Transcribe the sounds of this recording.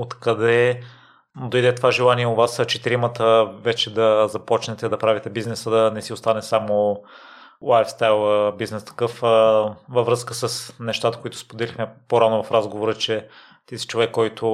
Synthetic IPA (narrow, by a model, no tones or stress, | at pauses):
ot̪kɐd̪ɛ | nd̪ojd̪ɛt̪ovaʒɛlˠaniɛʊvast͡ʃɛt̪ɛɾimət̪əvɛt͡ʃɛd̪ɐzɐpɔt͡ʃnɛt̪ɛd̪ɐpɾavit̪ɛbiznɛsəd̪ɐnɛsiʊst̪anɛsamo | lajfst̪ajlˠbiznɛst̪ɐ̥kɤfəvɐvɾɤəskəsəsnɛʃt̪at̪ə̥koit̪ʊ̥spod̪ɛlixmɛpoɾanʊvɐfɾazɡovoɾət͡ʃɛ | t̪isi̥t͡ʃovɛkːɔjt̪ʰʊ